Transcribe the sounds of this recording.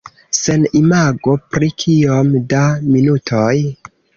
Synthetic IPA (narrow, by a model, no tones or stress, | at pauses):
se̞nimaɡo̞pɾikʰiomdaminutʰoj